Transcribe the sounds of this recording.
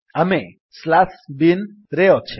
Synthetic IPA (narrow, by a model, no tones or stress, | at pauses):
ame | slasbin | ɾeot͡ʃʰe